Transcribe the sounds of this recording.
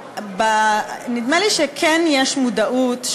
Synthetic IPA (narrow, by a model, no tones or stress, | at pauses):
banid̪meliʃekʰɛnjeʃmudaʔut̪